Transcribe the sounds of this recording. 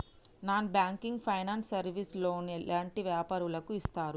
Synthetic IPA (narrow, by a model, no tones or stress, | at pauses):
naːnbjaːŋkiŋɡpʰɐjnaːnsɐɾʋislo̞ːnɛlʔaːɳʈiʋjaːpaːɾulɐkuist̪aːɾu